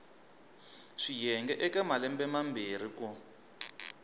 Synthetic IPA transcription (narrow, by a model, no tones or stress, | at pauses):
ʂijɛŋɡɛʔɛkɛmalɛmbɛmambir̤iku